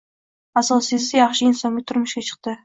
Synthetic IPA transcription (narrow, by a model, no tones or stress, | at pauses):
asɒsɪzɪjɑχʃɪɪnsɒnʲɪt̪ʰʊɾmʊʃkʲat͡ʃʰə̥q̚t̪ɪ